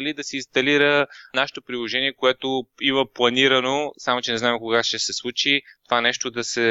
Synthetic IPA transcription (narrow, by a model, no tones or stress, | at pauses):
lid̪ɐsɛinst̪ɐliɾənaʃɛ̥t̪opɾilˠoʒɛniɛkoɛt̪oivəplˠɐniɾənosamot͡ʃɛnɛznaɛmkoɡaʃɛsɛslˠut͡ʃit̪ovanɛʃt̪od̪ɐsɛ